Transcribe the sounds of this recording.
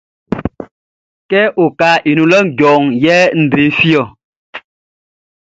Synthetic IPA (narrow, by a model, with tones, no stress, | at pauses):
kɛ˦ʔo˨ka˨ʔi˨nu˨lɔ˦˨ɟɔː˨ŋjɛ˦n̩˨dɾe˨˦fi˦ɔ˨